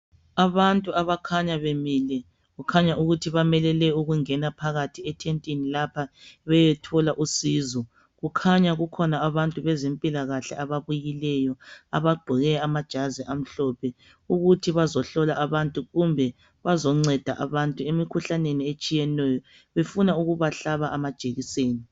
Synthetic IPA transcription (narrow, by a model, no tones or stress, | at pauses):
aβantʼuaβakʰaɲaβemilɛ | ɣukʰaɲaʔuɣutʰiβamɛlɛlɛuɣuŋɛnapʰaɣatʰiɛtʰentʼinilapʰaβɛjɛtʰɔlaʔusiːzɔ | ɣukʰaɲaɣukʰɔnaːβantʼuβɛzempʼilaɣaɬɛ̰ʔaβaβujilɛjɔa̰βaɡ͡ǃʱɔɣɛamad̥ʒ̥ʱaziʔam̩ɬɔpʰɛ | uɣutʰiβazɔɬɔlaʔaβantʼuɣumbʱɛ | βazɔŋ͡ǀɛd̥ʱaʔaβantʼuemikʰuɬaneniet͡ʃʼijɛnɛjɔ | βefunauɣuβaɬaβaʔamad̥ʒ̥ʱeɣiseːni